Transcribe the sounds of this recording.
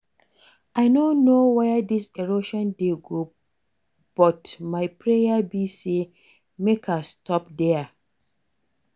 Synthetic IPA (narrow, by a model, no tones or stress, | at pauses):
aɪnõnowɛdiseɹoʃɔ̃ndeɡo | b̥ɔtmaɪpʰɹejabise | mekʰastʰɔp̚dɛ